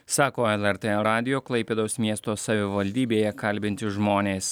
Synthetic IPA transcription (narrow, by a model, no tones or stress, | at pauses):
sɑːkoːɛlˠɛɾt̪ɛɾɑːd̪ʲɪjoːklˠɐɪpʲeːd̪ɐʊsmʲiɛst̪oːsɐʋʲɪʋɐlʲd̪ʲiːbʲeːjɛkɐlʲbʲɪnʲt̪ʲɪʒmoːnʲeːs